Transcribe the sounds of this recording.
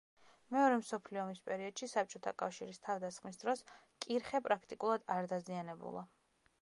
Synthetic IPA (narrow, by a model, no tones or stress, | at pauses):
mɛɔɾɛmsɔpʰliɔmispʼɛɾiɔd̪̥ʃisap̚t͡ʃʼɔt̪ʰa̰kʼafʃiɾist̪ʰavd̪asχmisd̪ɾɔs | kʼiɾχɛpʼɾakʰt̪ʼikʼulˠad̪aɾd̪azianɛbṵlˠa